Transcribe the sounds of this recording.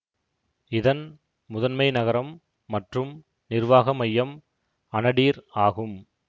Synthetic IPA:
ɪðɐn | mʊðɐnmɐɪnɐɣɐɾɐmː | ɐʈrɯm | nɪrʋaːɣɐmɐjːɐm | ɐnɐɽiːɾaːɣɯm

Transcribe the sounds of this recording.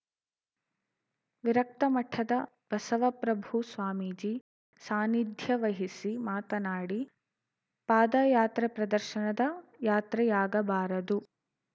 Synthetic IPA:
ʋiɾɐk̚t̪ɐmɐʈʰːɐd̪ɐ | b̥ɐsɐʋɐpɾɐbʱusʋaːmiːd͡ʒiː | saːnid̪ʱjɐʋɐɦisimaːt̪ɐnaːɽi | paːd̪ɐjaːt̪ɾɐpɾɐd̪ɐɾʃɐnɐd̪ɐjaːt̪ɾɐjaːɡɐbaːɾɐd̪u

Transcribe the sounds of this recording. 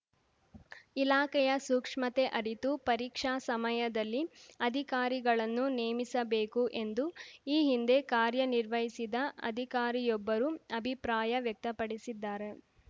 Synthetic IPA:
ilaːkɛjɐsuːkʂmɐt̪eʔɐɾit̪upɐɾiːkʂaːsɐmɐjɐd̪ɐlːiɐd̪ʱikaːɾiɡɐɭɐnːuneːmisɐbe̞ːkuʔe̞nd̪uiːɦind̪e̞kaːɾjɐniɾʋɐɦisid̪ɐɐ̰d̪ʱikaːɾijɔbːɐɾuɐbʱipɾaːjɐʋjɐk̚t̪ɐpɐɽisid̪ːaːɾe̞

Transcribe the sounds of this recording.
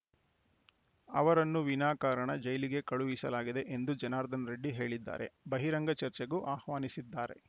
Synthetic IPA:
ɐʋɐɾɐnːuʋinaːkaːɾɐɳɐd͡ʒɐjliɡe̞kɐɭuʋisɐlaːɡid̪e̞ʔend̪ud͡ʒɐnaːɾd̪ʱɐnɾeɖːiɦe̞ːɭid̪ːa̰ːɾe̞̰bɐɦiɾɐŋɡɐt͡ʃɐɾt͡ʃeɡuʔaːhʋaːnisid̪ːaːɾe̞̰

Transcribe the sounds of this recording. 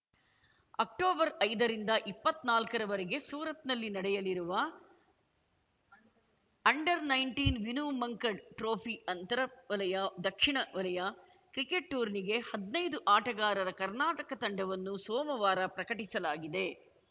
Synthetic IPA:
ɐ̰k̚ʈoːbɐɾɐjd̪ɐɾind̪ɐʔipːɐt̪naːlkɐɾɐʋɐɾeɡe̞suːɾɐt̪nɐlːinɐɽɛjɐliɾuʋɐ | ɐɳɖɐɾnɐjɳʈiːnʋinuːmɐŋkɐɖʈɾoːpʰiɐnt̪ɐɾɐʋɐlɐjɐd̪ɐkʂiɳɐʋɐlɐjɐ | kɾikeʈːuːɾniɡe̞hɐd̪nɐjd̪uʔaːʈɐɡaːɾɐɾɐkɐɾnaːʈɐkɐt̪ɐɳɖɐʋɐnːusɔːmɐʋaːɾɐpɾɐkɐʈisɐlaːɡid̪e̞

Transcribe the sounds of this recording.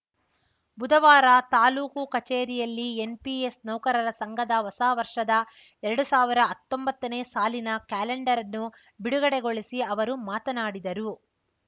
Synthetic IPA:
bud̪ɐʋaːɾɐt̪aːluːkukɐt͡ʃeːɾijɐlːienpiesnɐwkɐɾɐɾɐsɐŋɡʱɐd̪ɐʋɐsaːʋɐɾʂɐd̪ɐ | ɛɾɐɽusaːʋiɾɐːt̪ːo̞mbɐt̪ːɐneːsaːlinɐkaːleɳɖɐɾɐnːu | biɽuɡɐɽeɡo̞ɭisiɐʋɐɾumaːt̪ɐnaːɽid̪ɐɾu

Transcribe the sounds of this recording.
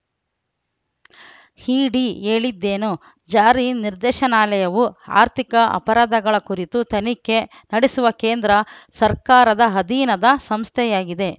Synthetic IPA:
hiːɖieːɭid̪ːeːnu | d͡ʒaːɾiniɾd̪ɛːʃɐnaːlɐjɐʋua̰ːɾt̪ʰikɐʔɐ̰pɐɾaːd̪ʱɐɡɐɭɐkuɾit̪ut̪ɐnikːe̞ | nɐɽisuʋɐkeːnd̪ɾɐsɐɾkaːɾɐd̪ɐɦɐd̪iːnɐd̪ɐsɐmst̪ʰɛjaːɡid̪e̞

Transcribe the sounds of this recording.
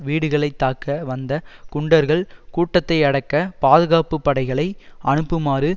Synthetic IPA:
ʋiːɽɯɣɐɭɐɪt̪ːaːkɐʋɐnd̪ɐkʊɳɖɐɾɣɐɭkuːʈːɐt̪ːɐɪɐɽɐkːɐpaːðɯɣaːpɯpːɐɽɐɪɣɐɭɐɪʔɐɳɯpːɯmaːɾɯ

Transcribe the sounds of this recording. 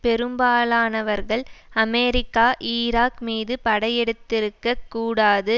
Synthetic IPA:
pɛɾɯmbaːlaːnɐʋɐɾɣɐɭɐmɛːɾɪkːaːʔiːɾaːkmiːðɯpɐɽɐjɛɽɯt̪ːɪɾɯkːɐkːuːɽaːðɯ

